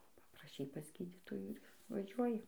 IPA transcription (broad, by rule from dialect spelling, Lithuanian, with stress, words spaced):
pɐprɐˈʃʲɛɪ pɐs ˈɡʲiːdʲiːtoːjuː ɪr ʋɐˈʒʲuɔjɪ